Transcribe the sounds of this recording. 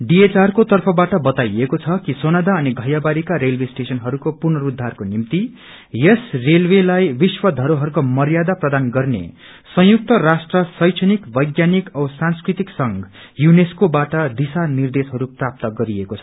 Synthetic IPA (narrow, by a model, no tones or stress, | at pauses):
ɖiet͡sarkot̪ʌrpʰʌbaʈʌbʌt̪ajekot͡sʰʌkisonad̪aʌniɡʱʌjabaɾikaɾelwesʈesʌnɦʌɾukopurnʌɾud̪ʱːarkonimt̪i | jesrelwelajbiswʌd̪ʱʌɾoɦʌɾukomʌɾjad̪aprʌd̪anɡʌrnḛ | sʌ̃juk̚t̪ʌrasʈrʌsʌjt͡ʃʰʌnikbʌjɡjanikʌbsanskrit̪iksʌŋɡ | juneskobaʈʌd̪isanird̪esɦʌɾuprap̚t̪ʌɡʌɾiekot͡sʰʌ̥